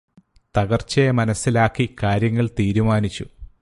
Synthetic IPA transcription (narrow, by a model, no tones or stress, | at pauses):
t̪ɐɣɐrt͡ɕːɐemɐnɐsːilaːkːikaːɾjɐŋːɐɭt̪iːɾumaːnit͡ɕːu